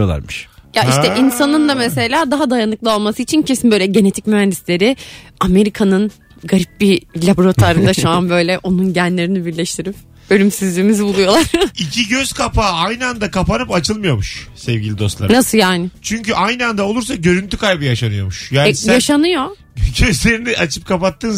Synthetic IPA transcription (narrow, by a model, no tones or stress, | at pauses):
olˠa̰ɾmɯʃjaiʃʰɛʔinsanɯnd̪amese̞lʲaːd̪aɦad̪ajanɯklˠɯo̞lˠmasɯit͡ʃʰincʰe̞sinbø̞jlʲɛɟe̞ne̞t̪ʰicmyɦænd̪islʲe̞ɾiame̞ɾikʰanɯn | ɡaɾip̚bilʲabɾot̪ʰaɾɯnd̪aʃuanbø̞jlʲɛʔo̞nunɟænlʲe̞ɾinibiɾlʲɛʃt̪ʰiɾip̚ | ø̞lʲymsizlʲiːmizibulˠujo̞lˠaɾ̥icʰiɟøz̥kʰapʰaːajnɯand̪akapanɯpat͡ʃʰɯlˠmɯjo̞muʃsɛvɟʲilʲid̪o̞slˠa̰ɾnasɯjaːnɪt͡ʃʰyɲcyʔajnɯand̪ao̞lˠuɾs̬aɟø̞ɾynt̪ʰykʰajbɯjaʃanɯjo̞muʃjaːnjjaʃanɯjo̞ | ɟø̞zlʲe̞ɾiniʔat͡ʃʰɯp̚kʰapat̪ːɯːn